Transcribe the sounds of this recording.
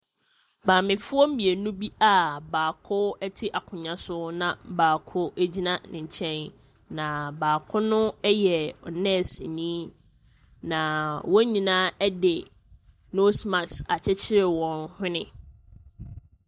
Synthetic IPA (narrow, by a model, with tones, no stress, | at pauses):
baː˨mɪ̃˨fʊ˦ɔ˦mĩ˨e˨nũ˦bi˦a˨baː˨kʰʊ˦ɛ˦tʰɪ˦ʔa˨kʰʊ̃˨ɲã˦sʊ˦nã˨baː˨kʰʊ˦æ˦d͡ʑi˦nã˦nɪ̰̃˨ɲ̩˨t͡ɕʰɛ̃˦n | nã˨baː˨kʰʊ˦nʊ̃˦ɛ˦jɛ˨ɔ˨nɛ̃˦˨si˨nĩː˦ | nã˨wɔ̃˦ɲĩ˨nãː˦ɛ˦dɪ˨ | no˦sma˨ksa˨t͡ɕʰɛ˦t͡ɕʰɪ˦ɾɪ˨wɔ̃˨nhʊ̃˦nɪ̃˦